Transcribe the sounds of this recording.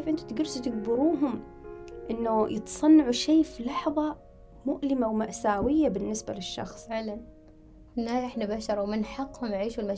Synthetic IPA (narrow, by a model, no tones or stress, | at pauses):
eːfʔɪnt̪u̥t̪ɡʊɾːst̪ɪɡ̚bʊɾuːɦʊm | ʔɪnːujɪt̪sˤɑnːɑʕuʃiːfilɑħðˤɑ | mʊʔlɪmawmaʔsaːwɪjːabɪnːɪsba̰lɪʃːɑ̰xsˤʕlan | hɪnːaːjʔɪħnabaʃɑɾˤwmɪnħɑqːhʊmʕiːʃulma